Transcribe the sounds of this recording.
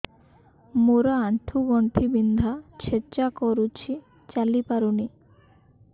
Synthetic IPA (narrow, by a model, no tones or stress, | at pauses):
moɾɔaɳʈʰuɡɔɳʈʰibind̪ʱat͡ɕʰet͡ɕakɔɾut͡ɕʰi | t͡ɕalipaɾuni